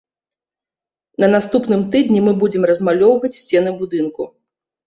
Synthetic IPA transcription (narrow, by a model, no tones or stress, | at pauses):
nɐnast̪upnɨmt̪ɨd̪nʲimɨbud͡zʲɛmrɐzmalʲɔwvɐt͡sʲsʲt͡sʲɛnɨbud̪ɨnku